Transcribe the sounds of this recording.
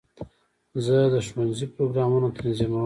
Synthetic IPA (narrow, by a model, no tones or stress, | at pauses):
zəd̪əʃmanzipɾoɡɾɑmunot̪anzima